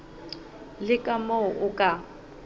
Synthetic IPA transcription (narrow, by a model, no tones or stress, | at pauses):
lɪkʼamɔʊʔʊkʼa